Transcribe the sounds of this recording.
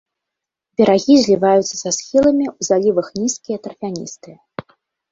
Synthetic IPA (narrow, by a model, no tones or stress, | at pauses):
bʲɛɾaɣʲizʲlʲivajut̪sːɐsasxʲilˠɐmʲiuzalʲivɐxnʲiskʲijɐt̪ɾɐfʲanʲḭst̪ɨ